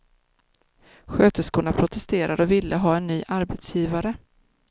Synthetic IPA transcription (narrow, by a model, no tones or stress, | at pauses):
ɧøːt̪əskuːɳapʰɾʊt̪ʰɛst̪eːɾʔad̪əɔvɪlːʔəɦɑːɛnːyːʔaɾbɛt̪sjiːvaɾə